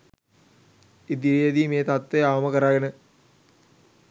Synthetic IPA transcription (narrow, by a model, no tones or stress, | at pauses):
id̪iɾijɐd̪iːmeːt̪at̪ːeaʋɐmɐkɐɾaːɡɐnɨ